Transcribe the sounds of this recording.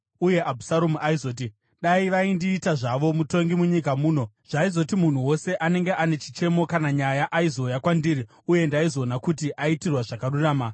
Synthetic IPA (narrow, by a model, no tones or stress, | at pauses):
uje̞ʔabʱusaɾomuʔaizo̞ːt̬i | ɗaiʋaindiːtaʐaʋo̞muto̞ŋɡimuɲikamuːno̞ | ʐ̥aizo̞timun̤uwo̞se̞ʔane̞ŋɡeʔane̞t͡ʃit͡ʃe̞mo̞kanaɲajaʔaizo̞jakwandiɾi | uje̞ndaizo̞ːnakutiʔaitirwaʐakaruraːma